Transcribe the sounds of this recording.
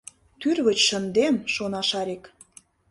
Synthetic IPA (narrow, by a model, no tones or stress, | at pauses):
t̪yrβə̆t͡ɕʃə̆nd̪emʃonɑʃɑɾek